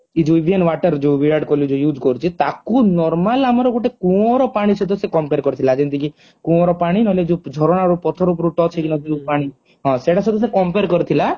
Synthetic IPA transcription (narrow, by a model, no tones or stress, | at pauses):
id͡ʒuibʱienwaʈəɾd͡ʒeʋiaɖkɔlud͡ʒujud͡ʒkɔɾut͡ʃʰit̪akunɔɾmalamɔɾɔɡuʈekũɔ̃ɾɔpaɽ̃isʰɔd̪ʰɔsekɔmpeɾkɔɾit̪ʰilaːd͡ʒent̪iki | kũɔ̃ɾɔpaɽ̃inɔled͡ʒud͡ʒʱɔɾɔɽ̃aɾupɔt̪ʰɔɾupɔɾuʈɔt͡ʃʰekinɔd͡ʒid͡ʒupaɽ̃i | ɦɔ̃seʈasʰɔd̪ɔs̬ekɔmpeɾkɔɾit̪ʰila